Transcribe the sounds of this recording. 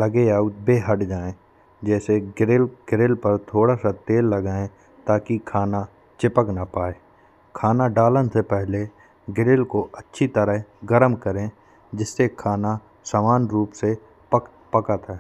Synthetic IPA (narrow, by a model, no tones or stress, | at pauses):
ləɡeaːut̪̚beːɦəʈd͡ʒaːẽ | d͡ʒɛːseɾelɡ̥ɪɾeːlpəɾt̪ʰoːɽasat̪eːlːɐɡaːẽ | t̪aːkikʰaːna | t͡ʃɪpəknapaːeː | kʰaːnaɖaːlənsepɛɦle | ɡɪɾeːlkoʔətːʃʰit̪əɾəɦɡəɾəmkəɾẽ | d͡ʒɪsːekʰaːna | saːmaːnɾuːpse | pək | pɐkət̪ɦɛː